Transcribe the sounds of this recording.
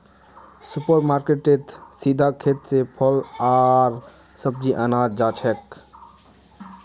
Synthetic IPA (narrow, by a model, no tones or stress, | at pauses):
supəɾmaːɾkeʈet̪sid̪ʱakʰeːt̪sepʰɔlaːɾ | səb̚d͡ʒiʔənaːd̪d͡ʒaːt͡ʃʰɛk